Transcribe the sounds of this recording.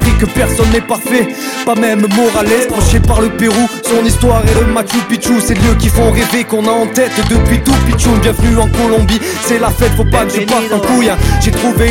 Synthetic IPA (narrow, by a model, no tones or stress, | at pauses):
pχikəpɛʁsɔnːɛpaʁfɛ | pamɛmmɔʁalɛsp̪χɔʃepaʁləpeʁusɔ̃nist̪waʁeləmat͡ʃopit͡ʃuseljøk̬ʲifɔ̃ʁevekɔ̃naɑ̃t̪ɛt̪d̪əpɥit̪upit͡ʃubjɛ̃vənyɑ̃kɔlɔ̃bi | sɛlafɛt̪fopakʒəpwasɑ̃kujɛ̃ʒet̪χuve